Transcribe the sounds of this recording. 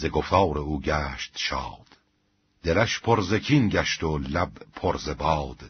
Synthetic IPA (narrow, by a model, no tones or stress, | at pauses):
zeɡoft̪ʰɑːɾeuːɟæːʃt̪ʃɑ̰ːd̪̥ | d̪̥elæʃpʰoɾzecʰiːnɟæʃt̪olæbpʰoɾzebɑːd̪̥